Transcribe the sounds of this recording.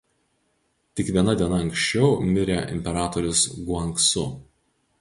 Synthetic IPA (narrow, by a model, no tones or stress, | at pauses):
t̪ʲɪkʋʲiɛnɐd̪ʲiɛnɐɐŋkʃʲt͡ʃʲɛʊmʲɪɾʲeʔɪ̰mʲpʲɛɾɑːt̪ɔɾʲʊsɡʊɐŋksʊ̰